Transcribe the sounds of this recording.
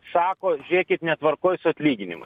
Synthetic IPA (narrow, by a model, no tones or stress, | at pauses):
sɑːkoːʒʲɾʲeɛkʲɪt̪nʲɛt̪ʋɐɾkoːjsʊɐt̪ʲlʲiːɡʲɪnʲɪmʊ̰